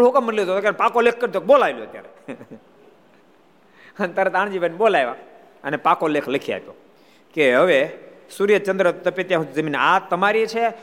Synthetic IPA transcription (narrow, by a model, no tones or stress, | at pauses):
ɦokəmːənljot̪ot̪okapakolek̚ʰkːəɾd̪ok̚ɓolaʋeljoət̪ja̰ɾe | ənt̪əɾet̪aːɽ̃d͡ʒibʱənɓolajʋa | ənepakolekʰləkʰia̰pjo̰ | keɦəʋesuɾijət͡ʃənd̪ɾət̪əpet̪jãɦũzəminat̪əmaɾit͡ʃʰe